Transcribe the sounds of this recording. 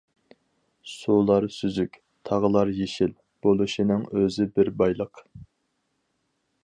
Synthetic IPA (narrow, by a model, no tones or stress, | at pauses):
sulˠɑɾsyzykʲ | t̪ʰɑʁəlˠɑɾjeʃil | b̥olˠuʃinɨŋøzɪbɪɾbɑjlˠəq